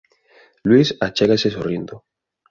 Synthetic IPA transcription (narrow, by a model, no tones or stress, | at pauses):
lwisat͡ʃeɣasesorjend̪o